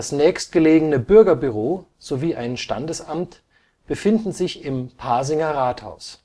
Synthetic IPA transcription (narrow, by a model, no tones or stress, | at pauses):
asnɛːçst̚ɡ̥əleːɡənəbʏɐɡɐbyʁ̞oː | z̥oviːʔaɪnʃta̰ndəsamt | b̥əfɪndn̩zɪçɪmpʰaɐzɪŋɐʁaːtha̰ʊs